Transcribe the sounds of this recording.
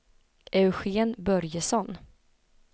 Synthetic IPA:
ʔɛʉɧeːnbœɾjəsɔn

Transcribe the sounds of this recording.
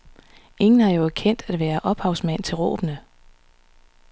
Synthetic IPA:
e̝ŋn̩hɑ̈jo̝ækʰen̰d̥æd̥ʋæːɐʔɒ̽b̥hɑ̈ʊsmæn̰t͡sʰe̝lʁɔ̰ːb̥nə

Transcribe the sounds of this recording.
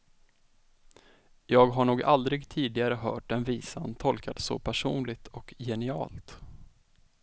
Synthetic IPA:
jɑːɡɦaɳuːɡald̪ɾɪɡt̪ʰiːd̪ɪɡaɾəɦœ̰ːʈ̚ɖɛnviːsant̪ʰɔlkat̪sɔ̰pʰæʂuːnlɪɡ̚t̪ʰɔkjɛnɪɑ̰ːlt̪

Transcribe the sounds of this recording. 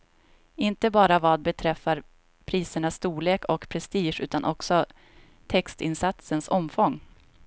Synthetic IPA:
ɪnt̪əbɑːɾavɑːd̪̚bɛt̪ʰɾɛfːaɾ | pʰɾiːsəɳasːt̪uːɭeːkɔkpʰɾɛst̪iːʂʉ̟ːt̪anʔɔksɔ | t̪ʰɛkst̪ɪnsat̪sənsɔmfɔŋː

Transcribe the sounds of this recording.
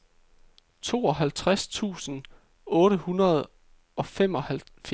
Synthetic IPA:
t͡sʰo̝̰ːɒ̽ɦælt͡sʰʁast͡sʰṵːsn̩ | ɔ̽ːɾəhunɐð̞ˠ | ɒ̽fem̰ɒ̽hæl | f

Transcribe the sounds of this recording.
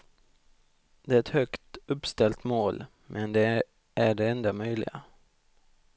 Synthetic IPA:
d̪ɛæɾɛt̪hœkt̪ɵpːst̪ɛlt̪moːl | mʔɛnd̪ɛ | æɖɛɛnd̪amœjlɪ̰ɡa̰

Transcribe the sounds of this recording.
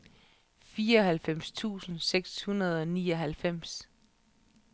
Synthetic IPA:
fiːɐɒ̽hælfem̰st͡sʰṵːsn̩seɡ̥shunɐð̞ˠɒ̽niːɒ̽ɦælfem̰s

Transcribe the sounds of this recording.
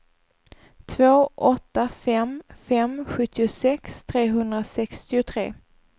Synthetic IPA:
t̪ʰvoːʔɔt̪ːafɛmfɛmɧɵt̪ʰːɪʊsɛkst̪ʰɾeːɦɵnd̪ɾasɛkst̪ɪʊt̪ʰɾḛː

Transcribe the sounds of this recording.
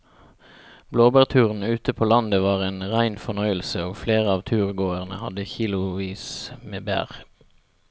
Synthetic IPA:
bloːbæːʁt̪ʰʉːʁn̩ʉːt̪əpʰoːlɑnd̪əʋɑːʁeːnʁæɪnfɔʁnœʏəlsəoːɡfleːʁəɑːʋt̪ʰʉːʁɡoːəʁnə̰hɑd̪əçiːlʊʋiːsmeːbæ̰ːʁ

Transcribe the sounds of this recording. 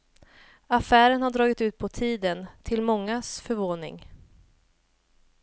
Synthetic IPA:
afæːɾənhaɖɾɑːɡɪt̪ʉ̟ːt̪̚pʰɔt̪ʰiːd̪ənt̪ʰɪlmɔŋːasfœɾvoːnɪ̰ŋ

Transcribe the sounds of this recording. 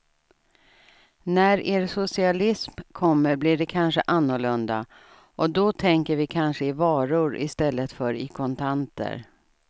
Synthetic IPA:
næɾʔeːɾsʊsɪalɪsmkʰɔmːəɾblɪɖɛkʰanʂəʔanːʊɭɵnd̪a̰ | ʔɔd̪ɔt̪ʰɛŋkəɾvɪkʰanʂəɪvɑːɾʊɾɪ̰st̪ɛlːət̪fœɾɪkʰɔnt̪ʰant̪ə̰ɾ

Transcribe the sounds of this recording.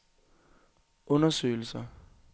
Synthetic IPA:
ʊnaselsa

